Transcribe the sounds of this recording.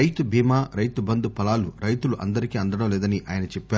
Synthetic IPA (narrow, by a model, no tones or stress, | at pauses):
ɐjt̪ubʱiːmaːɾɐjt̪ubɐnd̪upɐlaːluɾɐjt̪uluʔɐ̰nd̪ɐɾikiːɐnd̪ɐɽɐmlɛːd̪ɐniʔa̰ːjɐnɐt͡ʃɛpːaː